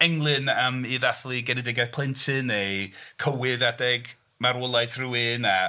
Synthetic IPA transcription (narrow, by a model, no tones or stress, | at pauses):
ɛŋlˠɨnəmiðaθlˠiɡɛnɛdɪɡaθpʰl̥ˠɪntʰɨnejkʰəwɪðadɛɡ | maɾɔlˠajθruwɪna